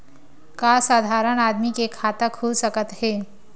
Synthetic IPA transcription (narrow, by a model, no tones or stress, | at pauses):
kasaːd̪ʱaɾənad̪mikekʰat̪əkʰɦosəkət̪ɦe